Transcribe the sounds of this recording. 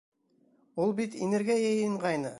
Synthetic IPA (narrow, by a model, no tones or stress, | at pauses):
ulˠbit̪ḭneɾɡʲijæjə̆ɴʁɑjnɤ